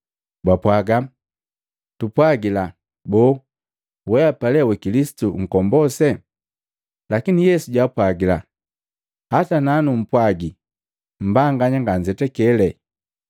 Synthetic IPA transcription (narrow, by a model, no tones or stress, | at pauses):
bapwaɡa | tupwaɡila | bɔ | wɛapalɛwɛkilisi̥tuŋ̩kɔmbɔsɛ | lakinijɛsuɟapwaɡila̰ | hatananum̩pwaɡi | m̩baŋɡaɲaŋɡaɲd͡ʒɛtɛkɛlɛ